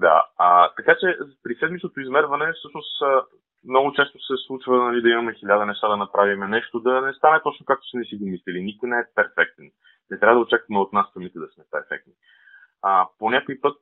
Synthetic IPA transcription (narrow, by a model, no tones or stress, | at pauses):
d̪a̰ət̪ɐkat͡ʃɛpɾisɛd̪mit͡ʃnot̪oizmɛɾvɐnɛfsɤʃnosə | mnɔɡʊt͡ʃɛst̪o̥sɛslˠut͡ʃvənɐlid̪ɐimɐmɛxilʲad̪ɐnɛʃt̪ad̪ɐnɐpɾʔavimɛnɛʃt̪od̪ɐnɛst̪anɛt̪ɔt͡ʃnokak̚t̪o̥sɛnɛsiɡomislilinikojnɛɛpɛɾfɛk̚t̪ɛn | nɛt̪ɾʲavəd̪ɐot͡ʃakvɐmɛot̪nasːɐmit̪ɛd̪ɐsmɛpɛɾfɛ̰k̚t̪ni | əponʲakoipɤt̪̚